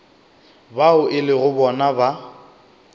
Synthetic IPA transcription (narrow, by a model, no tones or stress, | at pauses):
baʊʔɪlɪɣʊbɔnaba